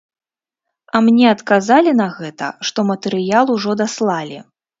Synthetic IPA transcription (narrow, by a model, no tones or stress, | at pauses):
ɐmnʲɛɐt̪kazalʲinɐɣɛt̪ɐ̰ʂt̪ɔmɐt̪ɛɾɨjalˠuʐɔd̪aslˠalʲḭ